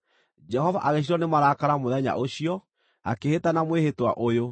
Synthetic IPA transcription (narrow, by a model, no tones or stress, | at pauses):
d͡ʒɛɦɔvaʔaɣeɕ̬iɾɔnemaɾakaɾamoðɛɲa̰ʔoɕiɔ | a̰kehetanamwehetwa̰ʔojo